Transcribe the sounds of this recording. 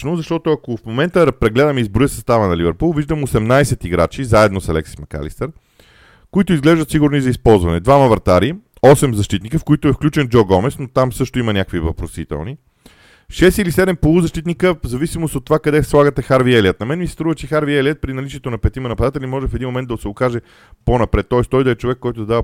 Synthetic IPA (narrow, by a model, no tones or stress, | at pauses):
nozɐʃt̪ɔt̪oɐkofmomɛnt̪əɾpɾɛɡlɛd̪əmizbɾʊəsɐst̪avənɐlivɛɾpulˠviʒd̪əmosɛmnajsɛt̪iɡɾa̰t͡ʃizaɛd̪nosɐ̰lɛ̰ksi̥smɐka̰lḭst̪ɛɾ | koit̪oizɡlɛʒd̪ət̪siɡʊɾnizɐispɔlˠzvɐnɛd̪vamɐvɐɾt̪aɾi | ɔsɛmzɐʃt̪it̪nikəfkoit̪ʊɛfklʲut͡ʃɛnd͡ʒɔɡɔmɛsnot̪amsɤʃt̪oiməɐnʲakəkvivɐpɾosit̪ɛ̰lˠni | ʃɛst̪ilisɛd̪ɛmpolˠuzɐʃt̪it̪nikəzɐvisimost̪ot̪ːovakɐd̪ɛslˠaɡət̪ɛxaɾviɛliət̪nɐmɛnmisɛ̥st̪ɾuvət͡ʃɛxaɾviɛliət̪̚pɾinɐlit͡ʃiɛt̪onɐpɛt̪imɐnɐpɐd̪at̪ɛlʲimɔʒɛfɛd̪inmomɛnd̪ɐʊsɛokaʒɛ | ponɐpɾɛt̪ːɔɛst̪ɔjd̪ɐɛt͡ʃovɛkːɔjt̪ozd̪avə